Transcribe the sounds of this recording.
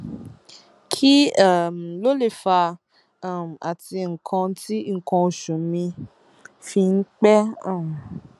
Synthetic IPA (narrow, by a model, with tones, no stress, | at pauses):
kʰi˦a˦˨m˨lo˦le˦˨fa˧ | a˦˨m̩˨a̰˨ti˧ŋ̩˨kʰã˧ti˦ŋ̩˨kɔ̃˧o˨ʃũ˨mĩ˧ | fi˧ŋ̩˦k͡pɛ˦ã˦˨m˨